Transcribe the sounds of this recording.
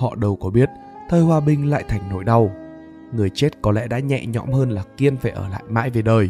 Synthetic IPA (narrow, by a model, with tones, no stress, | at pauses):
hɔ̰˧˨ɗə˨˩wkɔ˨˦ɓi˦˥ət̚ | t̪ʰəː˧jhwaː˧ɓï˧˩ŋ̟la̰ː˧˨jt̪ʰa˨˩jŋ̟no˧˩jɗa˨˧w | ŋɨ˨˩əjt͡ɕe˦˥t̚kɔ˨˦lɛ̰˧˥ɗa̰ː˧˥ɲɛ̰˧˨ɲɔ̰˧˥mhəː˧nlaː˨˩ki˧ənfaː˧˩jʔəː˧˩la̰ː˧˨jma̰ː˧˥jve˨˩ɗəː˨˩j